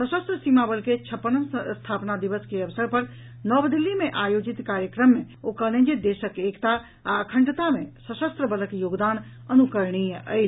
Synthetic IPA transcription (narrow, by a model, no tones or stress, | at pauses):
səʃəst̪ɾəsimabəlket͡ʃʰɐpːənəst̪ʰaːpnad̪iʋəskeɐʋsəɾpɐɾ | nɔːbd̪ilːimẽʔaːjoːd͡ʒɪt̪kaːɾjəkɾəmːẽ | oːkəlẽd͡ʒed̪eːʃəkeːkt̪a | əkʰə̃ɳɖt̪amẽsəʃəst̪ɾəbələkjoːɡd̪aːn | ɐnukəɾɽ̃iə̰